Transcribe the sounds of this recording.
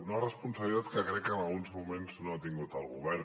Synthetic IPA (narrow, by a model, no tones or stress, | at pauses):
noarəspunsaβlit̪at̪kəkɾɛkːənalˠɣunzmumẽnznoat̪iŋɡut̪alˠɣṵβɛɾ